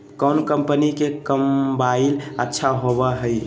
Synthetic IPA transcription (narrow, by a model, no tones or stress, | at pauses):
kənkəmpənikekəmbailətːʃʰaɦobəɦəj